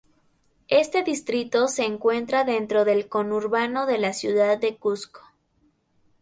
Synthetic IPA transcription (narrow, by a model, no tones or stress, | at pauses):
e̞st̪e̞ðist̪ɾit̪o̞se̞ːŋkwe̞nt̪ɾaðe̞nt̪ɾo̞ðe̞lko̞nuɾβano̞ðe̞lasjuðaðːe̞kusko̥